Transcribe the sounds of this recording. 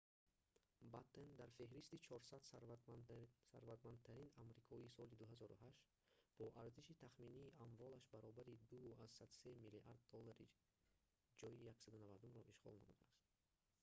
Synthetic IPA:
bat̪ʰend̪aɾfe̞ɦɾist̪it͡ʃʰɔɾsad̪s | saɾvat̪mand̪̚t̪ʰaɾinamɾikʰɔisɔlid̪uɦazɔɾṵɦaʃt̪ | bɔʔaɾziʃit̪ʰaχminiːʔaɱvɔlaʃbaɾɔbaɾid̪uazsad̪se̞miliʔa̰ɾd̪ːɔlːaɾḭ | d͡ʒɔjijaksad̪unavad̪umɾɔʔiʃʁɔ̰lna̰mṵd̪a̰ːst̪̚

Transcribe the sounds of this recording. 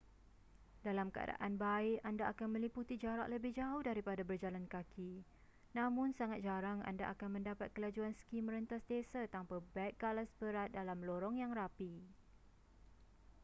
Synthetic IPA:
dalamkəa̰da̰ʔanbaɪʔandaʔakanmə̃liput̪id͡ʒaɾa̰ʔləbɪhd͡ʒauhdaɾipadabərd͡ʒalankakʰi | nãmʊ̃nsaŋat̪̚d͡ʒaɾaŋa̰nda̰ʔa̰kanmə̃ndapat̪̚kəlad͡ʒuansə̥kimːə̃ɾənt̪asdesat̪ampabɛk̪̚ɡalasbəɾat̪̚dalamloɾɔŋjaŋrapi

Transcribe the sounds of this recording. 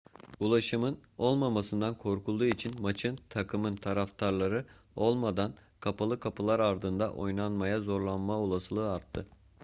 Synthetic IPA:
ulˠaʃɯmɯno̞lˠmamasɯnd̪ankʰo̞ɾkʰulˠd̪uːit͡ʃʰinmat͡ʃʰɯnt̪ʰakʰɯmɯnt̪ʰaɾaft̪ʰaɾlˠaɾɯo̞lˠmad̪ankʰapʰalˠɯkʰapʰɯlˠaɾaɾd̪ɯnd̪aʔo̞̰jnanmajazo̞ɾlˠanmaolˠasɯlˠɯːaɾt̪ʰːɯ

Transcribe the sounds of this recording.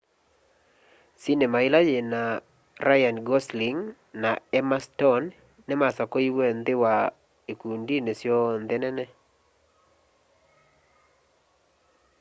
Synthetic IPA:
sinemaɪlajena | ɾajanɡɔsliŋ | naɛmastɔnː | ɛmasakoiwend̪ɪwa | ekundinesjɔnd̪ɛnɛnɛ

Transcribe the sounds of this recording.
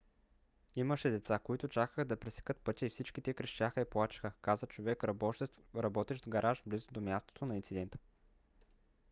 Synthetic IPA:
iməʃɛd̪ɛt̪sakoit̪ʊt͡ʃakəxəd̪ɐpɾɛsɛ̥kɤt̪̚pɤt̪ʲəifsit͡ʃkit̪ɛɛkɾɛʃt̪ʲaxəiplˠat͡ʃə̥xəkazət͡ʃovɛkɾ | ɾɐbɔt̪ɛʒɡɐɾʔaʒblizʊd̪omʲjast̪o̥t̪onɐint̪sid̪ɛnt̪ə̥

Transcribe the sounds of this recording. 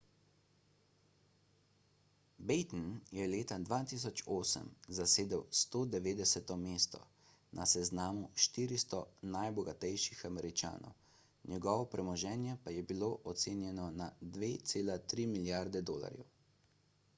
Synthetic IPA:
bɛjt̪nnjɛleːt̪ad̪ʋaːt̪is̬ɔt͡ʃoːsə̰mzaseːd̪ɛwst̪oːd̪ɛʋeːd̪ɛsɛt̪ɔmeːst̪ɔ̰ | nʔasɛznaːmuʃt̪iːɾist̪ɔnajbɔɡat̪ɛjʃixamɛɾit͡ʃa̰ːnɔ̰w | njɛɡɔʋɔpɾɛmɔʒɛːnjɛpajɛbiloʔɔt̪seːnjɛnɔnad̪ʋeːt̪seːlat̪ɾiːmiljaɾd̪ɛd̪o̰ːla̰ɾjɛ̰w

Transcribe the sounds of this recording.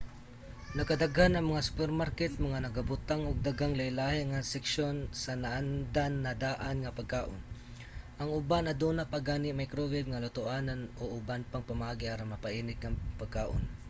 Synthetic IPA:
nɐkɐd̪aɡhanɐŋmɐŋasu̥pɛɾmaɾkɛt̪̚mɐŋanɐɡabʊt̪aŋoɡ̚d̪aɡaŋlɐjlaːhɛŋɐsɛkʃonsɐnaʔand̪anːɐd̪aːʔanŋɐpɐɡ̚kaːʔon | ʔɐŋʊbanɐd̪uːnapaɡaːnɪʔmajkɾovɪbŋɐlʊt̪ʊʔaːnanoʔʊbanpaŋpɐmɐʔaːɡɪʔaːɾaŋmɐpaʔiːnɪk̚ŋɐpaɡ̚kaːʔo̰n

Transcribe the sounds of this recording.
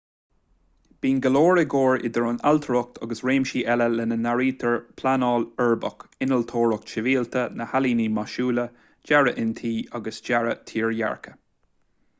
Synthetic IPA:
b̥iːnɡəloːɹəɡoːɹɪ̰d̪əɹʊnalt̪ʰəɾʊk̚t̪ʰɑ̰ɡəsɹeːmʃiːʔɛləlɛnənaɹiːt̪ʰəɹpʰlanɑːlɛɹbəkɪnəlt̪ʰoːɹʊk̚t͡ʃɪviːlt̪ʰənəhaliːnimaʃuːlə | d͡ʒaɹəʔɪnt̪ʰiːɑɡəsd͡ʒaɹət̪ʰiːɹja̰ɹkʰə̥

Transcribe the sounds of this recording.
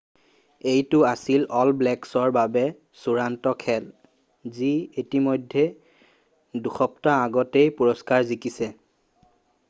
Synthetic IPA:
ejtʊasilɔlblɛksɔɹbabɛ | suɹantɔkʰɛl | zietimɔjdʱːɛ | duxɔptaːɡɔtejpuɹɔskaɹzikisɛ

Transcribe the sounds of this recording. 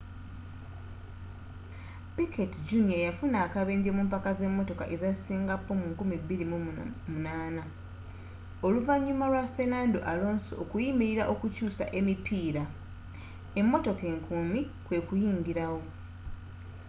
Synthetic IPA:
pikʰetid͡ʒunijajafunaːkaβe̞ːɲɟemuːmpakaze̞mːo̞to̞ka̰ʔe̞zasiːŋɡapːo̞muŋkumiβːiɾimumunaːna | oluvaɲːumalwafe̞naːndo̞̰ʔalo̞ːnsookujimiɾiɾaʔo̞kucuːsa̰ʔe̞mipʰiːɾa | e̞mːo̞to̞ke̞ːŋkʰumi | kwe̞kujiːɲɡiɾawo̞

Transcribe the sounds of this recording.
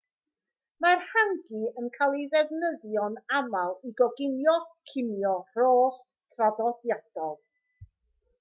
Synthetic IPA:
marhaŋɡiənkʰalˠiðɛvnəðjɔnamalˠiɡɔɡɪnjɔkʰɪnjɔr̥oːχ | tʰraðɔdjad̥ɔlˠ

